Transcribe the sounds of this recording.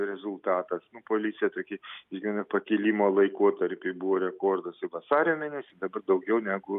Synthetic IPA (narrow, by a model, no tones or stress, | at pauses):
ɾʲɛzʊlˠt̪ɑːt̪ɐsnʊpoːlʲiːsʲɪjɛt̪oːkʲɪɪʒʲɡʲɪɛnɐpɐkʲɪlʲiːmoːlˠɐɪkoɔt̪ɐɾʲpʲɪbuʋoːɾʲɛkoːrd̪osɪʋɐsɑːɾʲɪjoːmʲeːnʲɛsʲɪd̪ɐbɐrd̪ɐʊɡʲɛʊnʲæːɡʊ